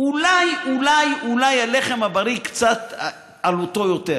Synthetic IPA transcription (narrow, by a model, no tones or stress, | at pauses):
ulajulajulajaleχemhabaɾikt͡sat̪ | alot̪ojot̪e